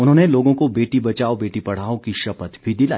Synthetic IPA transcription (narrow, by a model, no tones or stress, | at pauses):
ʊnɦõːneloːɡõkobeːʈibɐt͡ʃaːobeːʈipɐɽ̤aːõkiʃɐpət̪bʱid̪ɪlaː